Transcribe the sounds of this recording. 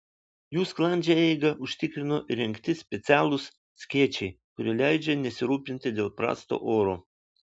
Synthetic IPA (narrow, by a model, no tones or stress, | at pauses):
juːsklˠɐnʲd͡ʒʲɛɛɪɡɐʔʊʃʲt̪ʲɪkɾʲɪnoʔɪɾʲɪŋʲkt̪ʲɪsʲpʲɛt̪sʲæːlˠʊs | sʲkʲiɛt͡ʃʲɛɪkʊɾʲilʲæɪd͡ʒʲɛnʲɛsʲɪɾuːpʲɪnʲt̪ʲɪd̪ʲeːlˠpɾɑ̰ːst̪o̰ːʔoːɾoː